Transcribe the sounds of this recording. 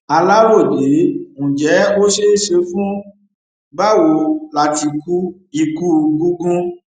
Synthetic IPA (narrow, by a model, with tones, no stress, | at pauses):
a˧la˦wo˦˨de˨˦ŋũ˨d͡ʒɛ˨˦o˦ʃe˦ʃe˧fũ˦ | ɡ͡ba˦˨wo˧la˧ti˧ku˦ | i˧ku˦ɡũ˦ɡũ˦